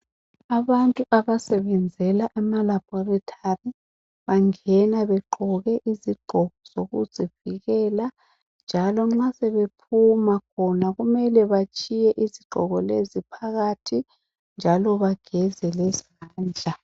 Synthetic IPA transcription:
aβantʼuʔaβasɛβɛnd͡zʱɛlaʔamalab̥ʱɔritʰari | βaŋɛnaβɛǃɔɣɛʔiziɡ͡ǃʱɔɣɔz̥oɣuz̥ʱiviɣɛla | nd͡ʒʱalɔŋ͡ǁasɛβepʰumakʰɔnaɣumɛlɛβat͡ʃʼijɛʔiziɡ͡ǃʱɔɣɔlezipʰaɣatʰi | nd͡ʒʱalɔβaɡ̥ʱɛzɛlɛz | aːnd͡ɮʱa

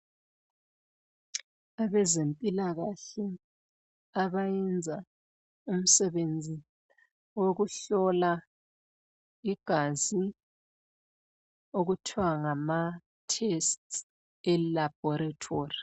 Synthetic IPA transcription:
aβɛzempʼilaɣaɬɛ | aβajɛnd͡zʱa | um̩sɛβend͡zʱi | woɣuɬɔla | iɡ̥ʱazi | oɣutʰiwaŋama | tʰɛst | ɛlab̥ʱɔɾatʰoːri

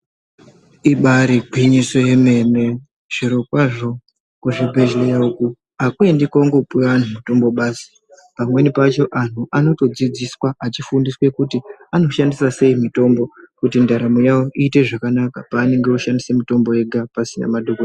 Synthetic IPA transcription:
iɓaɾiɡʱwiɲiso̞je̞me̞me̞ | ʐ̥eɾo̞kwaʐo̞ | kuʐebʱe̞ʒlejauku | akue̞ndikauŋɡopeʋan̤umto̞mbo̞ɓaːsi̥ | pamwe̞nipat͡ʃo̞ʔan̤uʔano̞to̞d͡zid͡ziswaʔat͡ʃifundiswe̞kutiano̞ʃandisase̞imito̞mbo̞kutindaɾamojawo̞ʔiːte̞ʐakanakapaːne̞ŋɡe̞uʃandise̞mito̞mbo̞e̞ɡʱapasina̰madʱoko

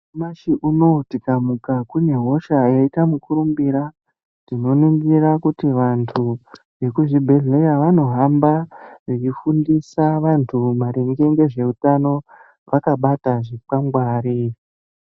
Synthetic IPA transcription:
maʃiʔuno̞tikamukakune̞ɦo̞ʃaeitamukuɾumbiɾa | tino̞nuŋɡirakutiʋantʰu | ʋe̞kuʐibʱeɮe̞jaʋano̞ɦambaʐit͡ʃifundisaʋantʰumaɾeŋɡe̞ŋɡe̞ʐe̞utano̞ | ʋakaɓataʐik͡paŋɡwaːɾi

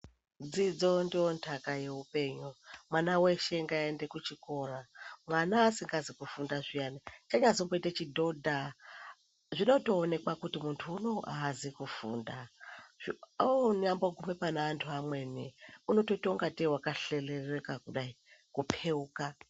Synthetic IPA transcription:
d͡zid͡zo̞ndiontʰakaje̞upe̞ɲumwanaweʃe̞ŋɡaendekut͡ʃiko̞ramwanaːsiŋɡazikufundaʐijanit͡ʃaɲazomboitat͡ʃidʱodʱa | ʐino̞to̞ːne̞kwakutimuntʰuːnoaɦazikufṵːndaʐinamboɡʱumepanaːntʰuamweniuno̞totouŋɡatiwakaɬelerekakuɗai | kupʰeuːka

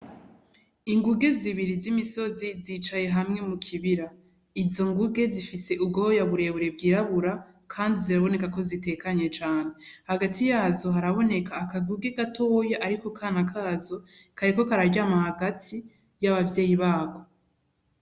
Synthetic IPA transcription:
iŋɡuɡe̞ziβiɾizimiso̞ziziːt͡ʃaje̞ɦamŋe̞mukʰiβiɾa | izo̞ŋɡuɡe̞zifise̞ʔub̚ɡoojaβuɾe̞βuɾe̞b̚ɡiːɾaβuɾa | kʰaːndiziɾaβo̞ne̞kako̞zite̞kaɲe̞t͡ʃaːne̞haɡatʰijaːzo̞ɦaɾaβo̞ne̞kaːkaɡuɡe̞ɡatʰo̞ːjaʔaɾiko̞kʰaːnakʰaːzo̞ | kʰaɾiko̞kaɾaɟaːmahaɡatʰi | jaβavje̞ːjiβaːɡo̞

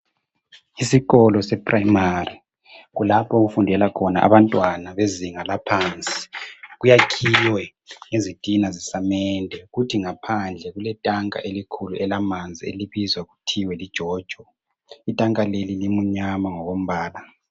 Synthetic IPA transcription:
isiɣɔlɔsɛpʰraimari | ɣulapʰɔɣufundʱɛlakʰɔna̰ʔa̰βantʼwanaβeziŋalapʰant͡sʼi̥ɣujakʰijwɛ | ŋezid̥ʱinazisamɛndʱɛɣutʰiŋapʰand͡ɮʱɛɣulɛtʼaŋa̰ʔelikʰuluʔɛlamand͡zʱiḛliβizwaɣutʰiwɛlid̥ʒ̥ʱɔːd̥ʒ̥ʱɔ | itʼaŋʼalelilimuɲamaŋɔɣom̩βaːla

